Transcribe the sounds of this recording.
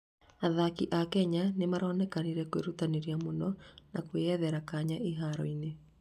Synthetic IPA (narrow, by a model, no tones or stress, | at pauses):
aðakiʔakɛɲanemaɾɔːnɛkaniɾɛkweɾutaneɾiamonɔnakweɛðɛɾakaɲaʔeɦaɾɔine